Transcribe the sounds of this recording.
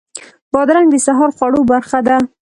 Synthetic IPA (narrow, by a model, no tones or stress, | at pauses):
b̥ɔd̪ɾaŋɡd̪əsaɦɔɾχɑɽobaɾχad̪a